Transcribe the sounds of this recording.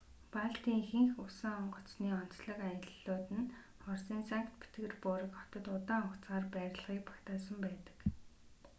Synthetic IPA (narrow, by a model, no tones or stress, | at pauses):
paɮt̪iːŋxeŋxʊsə̆ŋɔɴɢɞ̆t͡sniːɔn̥t͡sɮɞ̆kajə̆ɮːoːt̪ɘ̆n | χɔrsiːnsaŋkt̪pi̥t̪ɡɘ̆rpʊːɾə̆kχɔ̥t̪ɞ̆t̪ʊt̪aːʊkt͡sɢaːrpæːɾʲɪ̆ɮʁiːk̚pɔkt̪aːsə̆mpæːt̪ə̥̆k